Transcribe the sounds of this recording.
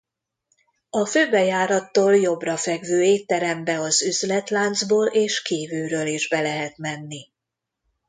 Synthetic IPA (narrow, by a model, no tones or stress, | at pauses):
ɒføːbɛjaːɾɒt̪ːoːljo̞brɒfɛɡvøːeːt̪ːɛɾɛmbɛɒzyzlɛt̪laːnd̪zboːlʔeːʃkiːvyːɾøːliʒbɛlɛɦɛt̪mɛnːi